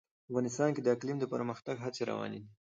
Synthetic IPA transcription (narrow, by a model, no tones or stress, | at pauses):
afɣɑnɪst̪ɑnked̪əaklimd̪əpəɾməxt̪aɡɦat͡seɾa̰wɑ̰ned̪i